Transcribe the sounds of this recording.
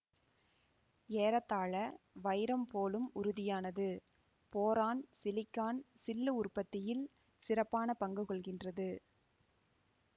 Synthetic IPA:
eːɾɐt̪ːaːɭɐʋɐɪɾɐmpoːlɯmʊɾʊðɪjaːnɐðɯ | poːɾaːnsɪlɪkːaːnsɪlːɯʊrpɐt̪ːɪjɪl | sɪrɐpːaːnɐpɐŋɡɯkɔɭɣɪndrɐðɯ

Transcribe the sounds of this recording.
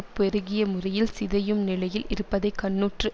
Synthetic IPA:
pːɛɾɯɣɪjɐmʊrɐjɪlsɪðɐjɯmnɪlɐjɪlɪɾɯpːɐðɐɪkːɐnːuːʈrɯ

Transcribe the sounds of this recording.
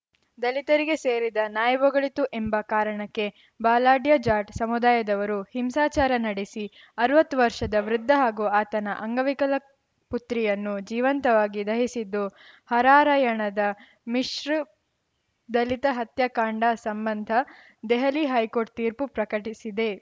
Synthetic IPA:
d̪ɐlit̪ɐɾiɡe̞seːɾid̪ɐnaːjɐʋɔɡɐɭit̪uʔembɐkaːɾɐɳɐkːe̞ | baːlaːɖjɐd͡ʒaːʈsɐmud̪aːjɐd̪ɐʋɐɾuhimsaːt͡ʃaːɾɐnɐɽesi | ɐɾɐʋɐt̪ːuʋɐɾʂɐd̪ɐʋɾud̪ʱːɐɦaːɡuaːt̪ɐnɐʔɐŋɡɐʋikɐlɐ | put̪ɾijɐnːud͡ʒiːʋɐnt̪ɐʋaːɡid̪ɐɦisid̪ːuhɐɾaːɾɐjɐɳɐd̪ɐ | miʂɾ | d̪ɐlit̪ɐɦɐt̪jɐkaːɳɖɐsɐmbɐnd̪ʱɐ | d̪ɛɦɐliɦɐjkoːɾʈ̚t̪iːɾpupɾɐkɐʈisid̪e̞

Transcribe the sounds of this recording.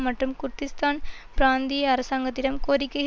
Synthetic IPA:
mɐʈrɯmkʊɾt̪ːɪst̪aːnpɪɾaːnd̪ijɐɐɾɐsaːŋɡɐt̪ːɪɽɐmkoːɾɪkːɐɣ

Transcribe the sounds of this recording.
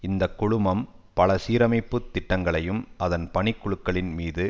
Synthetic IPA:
ɪnd̪ɐkːʊɻʊmɐmpɐɭɐsiːɾɐmɐɪpːɯt̪ːɪʈːɐŋɡɐɭɐjɯmɐðɐnpɐɳɪkːʊɻɯkːɐɭɪnmiːðɯ

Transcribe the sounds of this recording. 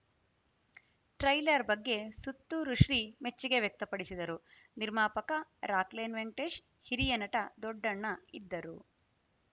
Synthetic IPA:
ʈɾɐjlɐɾbɐɡːe̞sut̪ːuɾuʂɾime̞t͡ʃːiɡe̞ʋjek̚t̪ɐpɐɽisid̪ɐɾu | niɾmaːpɐkɐɾaːkleːnʋeɳʈeːʃ | hiɾijɐnɐʈɐd̪ɔɖːɐɳːɐid̪ːɐɾṵ

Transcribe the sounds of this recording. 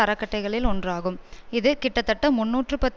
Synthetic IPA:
ɐɾɐkːɐʈːɐɪɣɐɭɪlɔndraːɣɯmɪðɯkɪʈːɐt̪ːɐʈːɐmʊnːuːʈrɯpɐt̪ː

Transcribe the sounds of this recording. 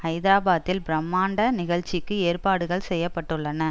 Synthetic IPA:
ɐɪðaːbaːt̪ːɪlbɪɾɐmːaːɳɖɐnɪɣɐɭt͡ʃɪkːɯeːrpaːɽɯɣɐɭsɛjːɐpːɐʈːɯɭːɐnɐ

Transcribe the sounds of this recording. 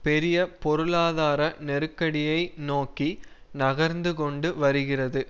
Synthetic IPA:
pɛɾɪjɐpɔɾɯɭaːðaːɾɐnɛɾɯkːɐɽɪjɐɪnoːki | nɐɣɐɾnd̪ɯkɔɳɖɯʋɐɾɯɣɪrɐðɯ

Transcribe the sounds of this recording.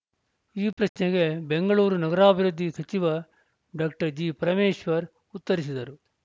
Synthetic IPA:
iːpɾɐɕneɡe̞be̞ŋɡɐɭuːɾunɐɡɐɾaːbʱiɾud̪ʱːisɐt͡ʃiʋɐ | ɖaːkʈɐɾd͡ʒiːpɐɾɐmeːʃʋɐɾ | ut̪ːɐɾis̬id̪ɐɾu

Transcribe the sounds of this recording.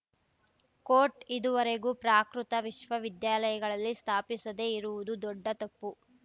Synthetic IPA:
koːɾʈid̪uʋɐɾe̞ɡuːpɾaːkɾut̪ɐʋiʃʋɐʋid̪jaːlɐjɐɡɐɭɐlːist̪ʰaːpisɐd̪e̞iɾuʋud̪ud̪ɔɖːɐt̪ɐpːu

